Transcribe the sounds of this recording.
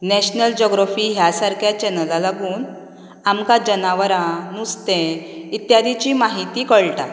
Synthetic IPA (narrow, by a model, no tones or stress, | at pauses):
nɛɕnəld͡ʑɔɡɾafiːɦjasaɾkjat͡ɕɛnəlalaɡuːn | amkad͡ʑənaʋəɾãnust̪ẽit̪jad̪ʱit͡ɕimaɦit̪iːkəɭʈa